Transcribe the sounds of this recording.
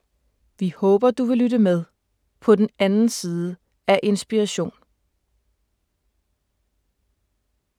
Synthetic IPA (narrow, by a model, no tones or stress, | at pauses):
ʋihɔ̽ːb̥ɐd̥uʋe̝lyd̥əmeð̞ˠ | pʰɒ̽d̥enænn̩siːð̞ˠə | æʔe̝nsb̥iʁɑɕo̝̰ːn